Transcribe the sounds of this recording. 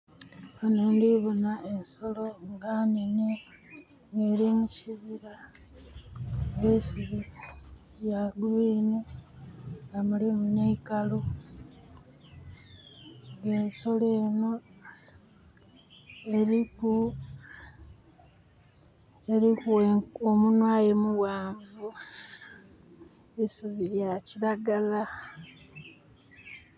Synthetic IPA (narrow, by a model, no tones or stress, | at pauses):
kanuːndiβonaʔenso̞lo̞ŋɡanene | ŋeɾimuciβiɾa | βesiβi | jaɡliːne | ŋɡamulimuneikalo | ŋɡeːso̞leːno | eɾiku | e̞ɾikuweomunwaːjemuwaːɱvu | isuβiɾjaciɾaɡala